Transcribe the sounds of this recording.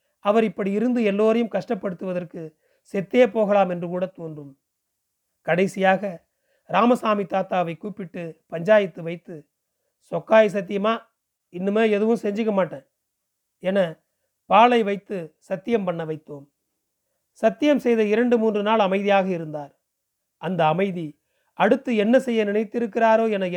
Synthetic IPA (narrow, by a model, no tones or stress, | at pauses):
ɐʋɐɾɪpːɐɽiɪɾɯnd̪ɯɛlːoːɾɐjɯmkɐʂʈɐpːɐɽɯt̪ːɯʋɐðɐrkɯ | sɛt̪ːeːpoːɣɐɭaːmɛndrɯkuːɽɐt̪oːndrɯm | kɐɽɐɪsɪjaːɣɐ | ɾaːmɐsaːmit̪aːt̪ːaːʋɐɪkuːpːɪʈːɯpɐɲd͡ʒaːjɐt̪ːɯʋɐɪt̪ːɯ | sɔkːaːjs̬ɐt̪̬ːɪjɐmaː | ɪnːɯmeːɛðɯʋɯmsɛɲd͡ʒɪkːɐmaːʈːẽː | ɛnɐ | paːɭɐɪʋɐɪt̪ːɯsɐt̪ːɪjɐmpɐɳːɐʋɐɪt̪ːoːm | sɐt̪ːɪjɐmsɛjðɐɪɾɐɳɖɯmuːndrɯnaːɭɐmɐɪðɪjaːɣɐɪɾɯnd̪aːɾ | ʔɐnd̪ɐːmɐɪði | ɐɽɯt̪ːɯɛnːɐsɛjːɐnɪnɐɪt̪ːɪɾɯkːɪraːɾoːɛnɐ